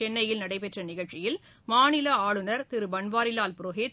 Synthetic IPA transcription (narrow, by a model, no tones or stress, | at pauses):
ɛnːɐjɪlnɐɽɐɪpɛʈrɐnɪɣɐɭt͡ʃɪjɪl | maːnɪlɐaːɭɯnɐɾt̪ɪɾɯbɐɳʋaːɾɪlaːlpɾoɦeːt̪